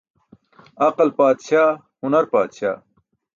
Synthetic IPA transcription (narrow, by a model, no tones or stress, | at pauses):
ɐqɐlpaːd̪ɕaː | hunɐɾpaːd̪ɕa̰ː